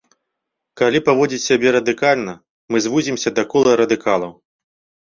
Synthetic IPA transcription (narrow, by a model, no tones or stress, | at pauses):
kalʲipavɔd͡zʲit͡sʲsʲabʲɛɾɐd̪ɨkalʲnɐ | mɨzvuzʲimsʲɐd̪ɐkɔlˠɐɾɐd̪ɨkʰalˠɐw